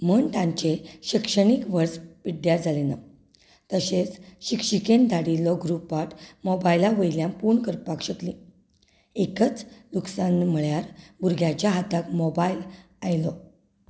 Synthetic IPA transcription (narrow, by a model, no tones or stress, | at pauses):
məɳt̪ãɲt͡ɕeɕikʂəɳikʋəɾspiɖjad͡zʱalena̰ | t̪əɕet͡sɕikʂikend̪aɽilɔɡɾupaʈmɔbajlaʋəjljãmpuɳkəɾpakɕəkli | ekət͡sluksanm̤əɭjaɾbuɾɡʱjat͡ɕjaɦat̪akmɔbajl | ajlɔ